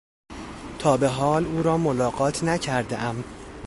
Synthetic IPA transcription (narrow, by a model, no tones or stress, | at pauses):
t̪ʰɒːbe̞ɦɒːluːɾɒːmolɒːɢɒːt̪ʰnæcʰæɾd̪eʔæm